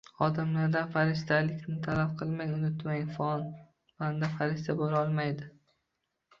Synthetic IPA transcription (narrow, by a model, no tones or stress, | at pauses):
ɒd̪amlaɾd̪afaɾɪʃ̬t̪alɪkʲnɪt̪ʰalafqʰɨlˠmajʊnʊt̪maj̪fɒn | band̪afaɾɪʃt̪ʰaboɾɒlˠmajd̪ɪ